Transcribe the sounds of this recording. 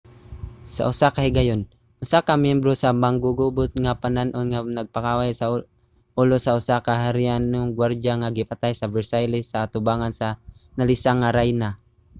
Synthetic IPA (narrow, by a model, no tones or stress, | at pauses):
sa̰ʔʊsakahɪɡajon | ʔʊsakamjɛmbɾosamaŋɡuɡubʊt̪̚ŋapananʔonŋanɐɡ̚pakawajsa | ʔʊlosaʔʊsakaɦaɾɪʔanːoŋɡwaɾd͡ʒaŋaɡɪpat̪ajsabɛɹsajlɪsːaːt̪ʊbaːŋansanalɪsaŋːaɾajna